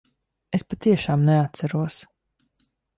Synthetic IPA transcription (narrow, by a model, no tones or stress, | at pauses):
espat̪iɛʃaːmnɛat̪sæɾuɔs